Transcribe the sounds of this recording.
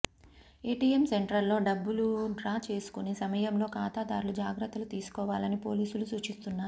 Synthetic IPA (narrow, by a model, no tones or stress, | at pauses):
e̞ːʈiːemse̞ɳʈɾɐlːo̞ːɖɐbːuluɖɾaːt͡ʃe̞ːsu̥kunisɐmɐjɐmlo̞ːkaːt̪aːd̪aːɾulud͡ʒaːɡɾɐt̪ːɐlut̪iːsu̥kɔːʋaːlɐnipo̞ːliːsulusuːt͡ʃist̪unːaːɾu